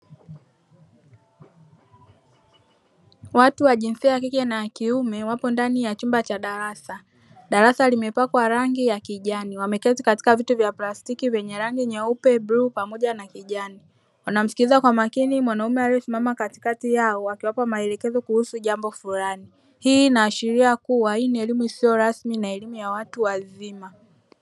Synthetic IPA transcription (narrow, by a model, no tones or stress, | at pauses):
watuwaʄinsiaakikɛnakiumɛwapɔndanijat͡ʃumbat͡ʃaɗaɾasa | ɗaɾasalimɛpakwaɾaŋɡijakiʄaniwamɛkɛtikati̥kavituvjaplastikivjɛɲɛɾaŋɡiɲɛupɛbɾupamɔʄanakiʄani | wanam̩si̥kilizakwamakinimwanaumɛalɛɔsimamakati̥katijaɔwakiwapamaɛlɛkɛzɔkuhusuʄambɔfuɾani | hiːnaːʃiɾiakuwainiɛlimuisiɔɾasminaɛlimujawatuwazima